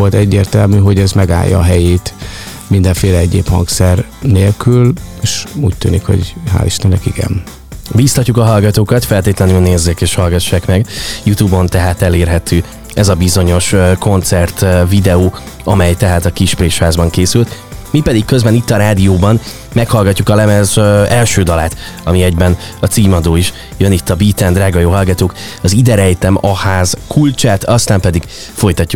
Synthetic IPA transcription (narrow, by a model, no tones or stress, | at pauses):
olt̪ɛɟːeːrt̪ɛlmyɦo̞ɟɛzmɛɡa̰ːjːɒ̰ːɦɛjeːt̪ | mind̪ɛɱfeːlɛɛɟeːphɒ̰ŋksɛrneːlkyleːʃuːc̚ʲt̪yːnikho̞̰ɟha̰ːliʃt̪ɛnːɛkiɡɛ̰n | bisɒcːukɒɦɒlɡɒt̪oːkɒt̪fɛlt̪eːt̪lɛnylneːzːeːkeːʃhɒlɡɒʃːaːkmɛɡjut̪uːbo̞nt̪ɛɦaːt̪ɛleːrɦɛt̪ʰøː | ɛzɒbizo̞ɲo̞ʃko̞nt̪sɛrt̪vid̪ɛoː | ɒmɛjt̪ɛɦaːt̪ɒkiʃpreːʃhaːzbɒŋkeːsylt̪ | mipɛd̪ikkøzbɛnit̪ːɒɾaːd̪ijoːbɒn | mɛkhɒlɡɒcːukɒlɛmɛzɛlʃøːd̪ɒlaːt̪ | ɒmiɛɟbɛnɒt̪siːmɒd̪oːiʃ | jønit̪ːɒbiːt̪ɛnd̪ɾaːɡɒjoːɦɒlɡɒt̪oːkɒzid̪ɛɾɛjt̪ɛmɒhaːzkʰult͡ʃaːt̪ɒst̪aːmpɛd̪iɡ̥ | fo̞jt̪ɒcːuk